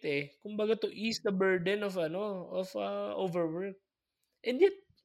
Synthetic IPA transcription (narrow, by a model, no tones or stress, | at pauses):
t̪ɛkʊmbɐɡat̪ʊʔiːsd̪ɐbɛɹd̪ɛnɔfɐnoofɐʔoːvɛɹwɛɹk̚ | ʔɛ̃nd̪jɛt̪̚